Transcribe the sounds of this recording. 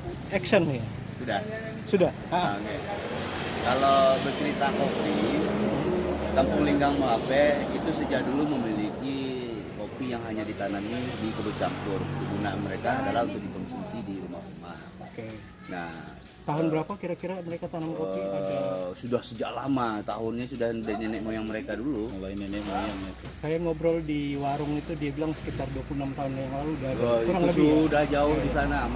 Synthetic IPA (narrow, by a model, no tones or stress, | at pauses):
ɛksəni | sudah | sudah | aoke | kalobət͡ʃəɾit̪akopi | t̪ampʊŋliŋɡaŋmaapɛit̪usəd͡ʒaʔ̚duluməmiliki | kopijaŋɦaɲadit̪anamidikəbət͡ʃampʊrdiɡunanməɾekaːdalahunt̪ʊk̚dikɔnsuusidiɾuma̰hruma̰ | oke | nah | t̪aɦʊnbəɾapakiɾakiɾaməɾekat̪anamkopi | sudahsəd͡ʒaʔlamat̪aɦʊnɲasudahdənɛnɛʔmojaŋməɾekadululainɛnɛʔmojaŋak̪sajaŋobɾɔldiwaɾʊŋit̪udiabilaŋsə̥kit̪arduapuunamt̪aɦʊnajaŋlaludauɾaŋləudahd͡ʒaʊhdisana